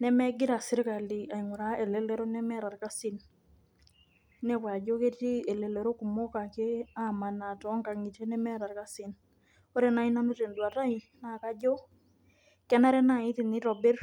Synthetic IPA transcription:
nɛ˦mɛ˦ɡɪ˦ɾa˨sɪ˦ɾɪ˦ka˨li˨a˨iŋʊ˨ɾa˦e˨le˦lɛ˦ɾo˦nɛ˦mɛ˦ɾa˨rka˦si˦n | nɛ˦pwa˨d͡ʒo˦ke˦ti˦ɛ˨le˨lɛ˨ɾo˦ku˨mo˦ka˨ke˦a˦ma˨na˨tɔ˨˦ŋɡa˨ŋi˨te˦nɛ˦mɛ˦ɾa˨rka˦si˨n | o˦ɾe˦na˦i˦na˦nu˦te˨ndwa˨ta˦i˨na˨ka˦d͡ʒo˦ | kɛ˦na˦ɾɛ˦na˨ɪ˦ti˨nɪ˦ɾɔ˨be˦r

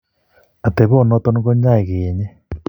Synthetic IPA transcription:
a˨t̪e˨βo˦˨nɔ˦t̪o˦n˦ɣo˦ɲa˦e˨ɣeː˨ɲɛ˦

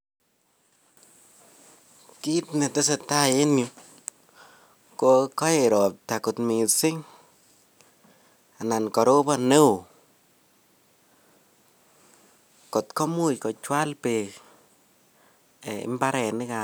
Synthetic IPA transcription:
ki˦tnɛ˨tɪ˦s̬e˨ta˦je˦nju˦ | ko˧kɔ˦je˨ɾɔ˨p̚ta˨kʊ˨tmi˨sɪ˦ŋ | a˨na˨nkɔ˨ɾo˦ba˦ne˦w | kɔ˨tkɔ˦mu˦jkɔ˨t͡ʃwa˦lpe˨k | ɛ˨ɪ̰˨mba˦ɾɛ˨nɪ˦ka

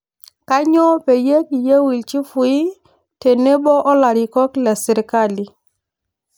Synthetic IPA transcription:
ka˦ɲɔ˦pe˨je˦ki˨je˦wi˨lt͡ʃi˦fu˨i˦ | te˨ne˦ɓɔ˦ʔɔ˦la˨ɾi˨kɔ˦kla˨si˨ɾka˦li˨

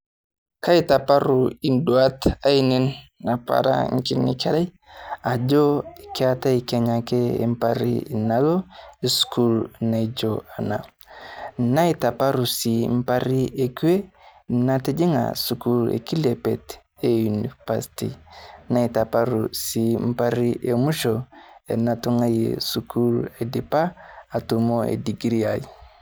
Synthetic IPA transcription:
ka˦i˨ta˨pa˦ɾu˨i˨ndwa˦ta˦i˦ni˦nːa˨pa̰˨ɾa̰˦ŋ̩˦ki˦nḭ˨ka˦ɾa˦j | a˨d͡ʒo˦i˨kia˦ta˦i˨ka˨ɲa˨ke˦ḛ˨m˦pa˦ɾḭ˨na˨lo˦e˨sku˦lna˨i˨d͡ʒoa˨na̰˨ | na˦i˦ta˨pa˦ɾu˨si˨m̩˦pa˦ɾi˦e˨ku˦e˦na˦te˦d͡ʒi˦ŋa̰˨su˨ku˦lḛ˨ki˦lɛ˨pɛ˨t | e˨u˨ni˨pa˨stḭ˨na˦i˨ta˨pa˦ɾu˨si˨m̩˦pa˦ɾi˦ʔe˨mu˦ʃo˨ḛ˨na˨tu˦ŋa˦jḛ˨su˨ku˦le˨di˨paː˦˨tu˨mo˦ḛ˨di˨ɡi˨ɾi˦a˨i˨

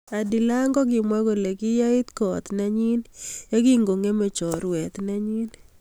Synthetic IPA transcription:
a˨di˨la˦ŋɡɔ˦k̬ɪ˨mwa˦ko˨le˨kɪ˦ja˦ɪ˦t̪kɔ˨t̪nɛ˦ɲi˦njɔ˦ki˦ŋɡo˨ŋe˦me˨t͡ʃɔ˨ɾwɛ˨t̪nɛ˦ɲi˦n

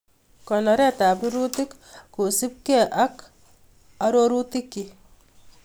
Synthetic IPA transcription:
kɔ˨nɔ˨ɾɛ˦ta˨pi˦ɾu˦ti˦k | ku˨si˦p̚ke˦˨ʔa˦k | a˦ɾo˦ɾu˦ti˦kːi˨

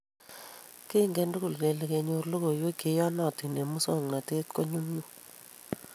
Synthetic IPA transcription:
ke˦˨ŋɡɛ˦ndu˦ku˨lke˨le˨ke˨ɲo˦rlo˦ko˨jo˦ke˨˦jɔ˦nɔ˨ti˨ne˨mu˦so˦˨ŋna˨te˦tko˦ɲu˦mɲu˦˨

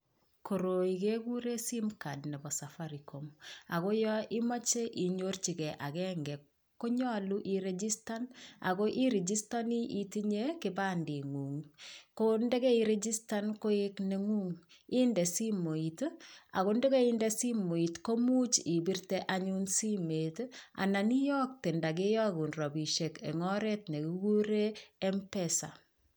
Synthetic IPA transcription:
ko˨ɾo˨i˨ke˦ku˦ɾe˦si˦mka˨dnɛ˨bɔ˨safaɾi˨koma˨ɣo˦jɔʔi˦ma˦t͡ʃe˦ʔi˨ɲo˦rt͡ʃi˨kɛ˨ʔa˨kɛŋɡɛ˨ | ko˦ɲɔ˦lu˦ʔiɾed͡ʒi˦sta˦na̰˨ko˦ʔi˦ɾe˨d͡ʒi˦sta˦ni˦ʔi˨ti˦ɲe˦kɪba˦ndi˨ŋu˨ŋkonde˦kɛ˦iɾe˦d͡ʒi˦sta˦nko˦ekne˨ŋu˦ŋ | i˦nde˨si˦mo˨i˨ta̰˨ko˦nde˦ke˦inde˦si˦mo˨i˨tko˦mu˦t͡ʃi˨bi˦rteʔaɲu˦nsi˦me˨ta̰˨na˨ni˦jɔ˦k̚te˨nda˨k̬e˦jɔ˦ɡu˨nrɔ˨bi˨ʃe˨kḛ˨ŋɔ˦ɾetne˨ku˨ɡu˦ɾeː˦mpɛsa̰˨

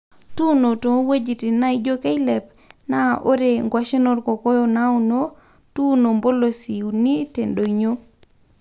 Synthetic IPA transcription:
tu˦no˨to˨˦we˦d͡ʒi˨ti˨na˦id͡ʒo˦ke˦jle˨p̚ | naʔo˦ɾe˨ŋɡwa˦ʃe˦no˦˨ɾko˨ko˦jo˦nau˦no˦ | tu˦no˨mbo˦lo˨si˨wni˦te˨nɗo˨ɲo˦

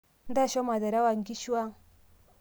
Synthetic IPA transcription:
n˦da˦˨ʃo˦ma˨da˨ɾa˦wa˨ŋ˨ɡi˦ʃu˦wa˦

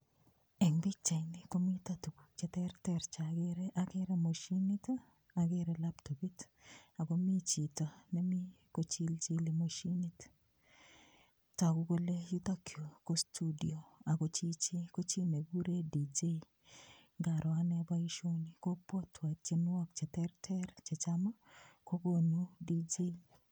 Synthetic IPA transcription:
ɛ˨ŋbi˦t͡ʃa˨jnɪ˨ko˦mi˦t̪a˦tu˨ɡu˨t͡ʃɛ˦t̪ɛ˦rt̪ɛɾt͡ʃa˨ɡeɾɛʔaɡe˦ɾɛ˦mo˨ʃi˦ni˦t | aɡe˦ɾɛla˦pto˨bi˦t | a˨ɡo˦mi˦t͡ʃi˨to˨nɛ˦mi˦ | ko˦t͡ʃi˦lt͡ʃi˦le˨mo˨ʃi˦ni˦t | ta˨ɡu˦ko˦le˦ju˦t̪a˦kʰjo˨ko˦stʰu˦di˨o˨a˨ɡo˨t͡ʃi˦t͡ʃe˦ko˦t͡ʃi˦ne˨ɡu˦ɾe˦di˨d͡ʒe˦ | ɡa˨ɾʔɔ˨a˦nɛ˦ba˦iʃo˦ni˨ko˦pɔ˦tʰwa˨t͡ʃe˦nwɔ˦k̚t͡ʃɛ˨tɛ˦rtʰɛ˦ɾt͡ʃɛ˨t͡ʃa˦ma˦ko˦ɡo˦nu˦di˦d͡ʒe˦

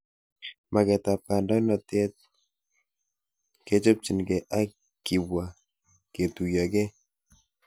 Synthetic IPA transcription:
ma˨kɛ˨ta˨p̚ka˨ndɔ˦nɔ˨tɛ˦t̚ | ke˦t͡ʃo˦p̚t͡ʃi˨nɡɛ˨ʔa˦ | ki˨wa˨ | ke˨tu˨jɔ˨ɡɛ˦

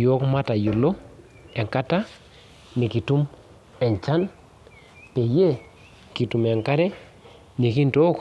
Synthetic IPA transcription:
jo˦kma˦ta˨ju˨lo˦ | ɛ˨ŋka˦ta˦ | ni˨ki˨tu˦m | ɛ˨ɲt͡ʃa˦n | pe˨je˦ | ki˨tu˨mɛ˨ŋka˦ɾɛ˦ | ni˨ki˦nto˦k

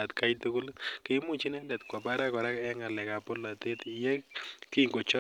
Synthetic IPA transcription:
a˨tka˦jtu˦kʊ˦lke˦mʊ˦t͡ʃi˦nɛ˦ndɛ˨tkwa˨pa˦ɾa˦kɔ˨ɾa˦kɛ˦ŋa˨lɛ˨ka˨pɔ˦la˨te˦ti˨jɛ˦ki˦ŋɡo˨t͡ʃɔ˦

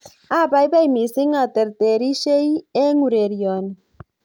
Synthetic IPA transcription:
a˦ba˨jba˦jmi˨sɪ˦ŋa˨t̪ɛ˨ɾt̪e˨ɾi˦ʃe˦je˦ŋu˨ɾe˨ɾjɔ˨n

